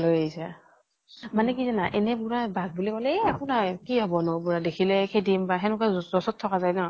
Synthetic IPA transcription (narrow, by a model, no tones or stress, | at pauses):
lojaɦisɛ | manɛk̬izanaʔɛnɛbuɹabaɡ̚bulikɔlɛakʊnakiɦɔbɔnʊbuɹadekʰilɛkʰedimbaxɛnʊkazɔsɔtʰːɔkazajnɔ